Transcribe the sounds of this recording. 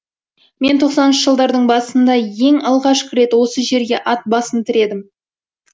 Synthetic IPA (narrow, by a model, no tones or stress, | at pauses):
me̞nt̪ʰo̞qsɑnənʃəʒəlˠd̪ɑɾd̪əɴbɑsənd̪ɑje̞ŋɑlˠʁɑʃkʲʰɪɾe̞t̪wo̞səʒe̞ɾɡʲe̞ʔɑt̪̚bɑsənt̪ʰɪɾe̞d̪ɪm